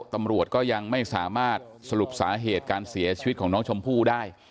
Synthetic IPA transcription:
t̪a˧mɾu˨˩ət̪̚kɔː˥˩ja˧ŋma˥˩jsaː˩˦maː˥˩t̪̚sa˧ɾu˨˩p̚sa̰ː˩˦˥ɦeː˨˩t̪̚kaː˧nsi˩˦ɐt͡ɕʰiː˧i˦˥t̪̚kʰɔː˩˦nɔː˦˥ŋt͡ɕʰo˧mpʰuː˥˩daː˥˩j

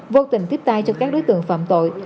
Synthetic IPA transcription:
vo˧t̪ï˨˩ŋ̟t̪i˦˥əp̚t̪aː˧jt͡ɕɔ˧kaː˦˥k̚ɗo˨˦jt̪ɨ̰˧˨əŋfa̰ː˧˨mt̪o̰˧˨j

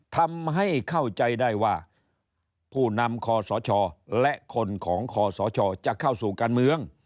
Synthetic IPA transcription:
t̪ʰa˧mɦa˥˩jkʰa˥˩wt͡ɕa˧jda˥˩jwaː˧˩ | pʰuː˧˥˩na˧mkʰɔː˧sɔː˨˦t͡ɕʰɔː˧lɛ˦˥ʔkʰo˧nkʰɔː˩˦ŋkʰɔː˨˧sɔː˨˦t͡ɕʰɔː˧t͡ɕa˨˩kʰːa˧˥˩wsuː˨˩kaː˧nmɯ˧əŋ

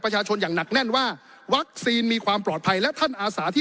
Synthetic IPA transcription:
pɾa˧t͡ɕʰaː˧t͡ɕʰo˧njaː˨˩ŋna˨˩k̚nɛ˥˩nwaː˥˩ | wa˦˥k̚siː˧nmiː˧kʰwaː˧mplɔː˨˩t̪̚pʰa˧jlɛ˦˥t̪ʰa˥˩nʔaː˧saː˩˦t̪ʰiː˥˩

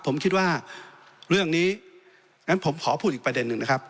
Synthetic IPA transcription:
pʰːo˩˦mkʰi˦t̪̚waː˥˩ | ɾɯ˥˩əŋniː˦˥ | ŋa˦˥npʰo˩˦mkʰɔː˩˦pʰu˥˩t̪̚i˨˩kp̚ɾa˧de˧nːɯ˨˩ŋna˦˥kʰa˦˥p̚

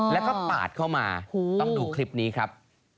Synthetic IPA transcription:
lɛː˦˥˩kɔː˥˩pa̰ː˨˩t̪̚kʰa˥˩wmaː˧ho˧ɔ˥˩ŋduː˧kʰli˦˥p̚niː˦˥kʰɾa˦˥p̚

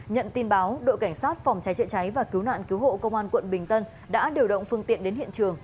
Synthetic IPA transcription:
ɲə̰˧˨nt̪i˧nɓaː˨˦wɗo̰˧˨jka˧˩jŋ̟saː˦˥t̚fɔ˨˩wŋ͡mt͡ɕa˨˦jt͡ɕə̰˧˨t͡ɕa˨˦jvaː˨˩ki˨˦wna̰ː˧˨nki˨˦who̰˧˨kə˧wŋ͡mʔaː˧nkwə̰˧˨nɓï˨˩ŋ̟t̪ə˧n | ɗa̰ː˧˥ɗi˧˩wɗə̰˧˨wŋ͡mfɨ˧əŋt̪ḭ˧˨ənɗe˨˦nhḭ˧˨ənt͡ɕɨ˨˩əŋ

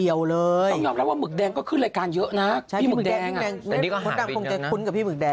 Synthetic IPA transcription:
i˨˩əwlɤː˧jjɔː˧mɾa˦˥p̚waː˥˩mɯ˨˩k̚dɛː˧ŋkɔː˥˩kʰɯ˥˩nlaː˧jkaː˧njɤ˦˥ʔna˦˥t͡ɕʰa˦˥i˥˩ɯ˨˥˩dɛː˧ŋʔɛː˧ŋ˨˥˦kːkʰnk̪aː˥˩o˧ŋt͡ɕa˨˩kʰu˦˥nka˨˩pʰiː˥˩mɯ˨˩k̚dɛː˧

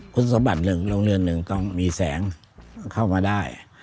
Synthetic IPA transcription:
kʰu˧˥nsa˨˧˦mba˨˩t̪̚nɯ˨˩ŋloː˧ŋlɯ˧˩ənːɯ˨˩ŋt̪ɔ˥˩ŋmiː˧sɛ̰ː˩˦ŋ | kʰa˥˩wmaː˧daː˥˩j

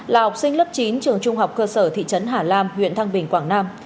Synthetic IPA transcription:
laː˨˩ha˨˩k͡p̚sï˧ŋ̟lə˦˥p̚t͡ɕi˨˦nt͡ɕɨ˨˩əŋt͡ɕʊ˧ŋ͡mɦa˨˩wk͡p̚kəː˧səː˧˩t̪ʰḭ˧˨t͡ɕə˨˦nɦaː˨˩laː˧mɦwḭ˧˨ənt̪ʰa˧ŋɓï˨˩ŋ̟kwaː˧˩ŋnaː˧m

